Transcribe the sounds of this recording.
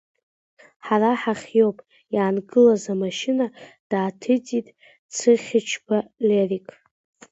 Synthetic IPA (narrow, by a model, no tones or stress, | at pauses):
ħaraħaχʲjo̞wpʼ | jaːnɡɨlazamaʃɪnad̥aːtʰɨt͡sʼitʼ | t͡sʰɨχʲɪt͡ʃʰbalerikʼ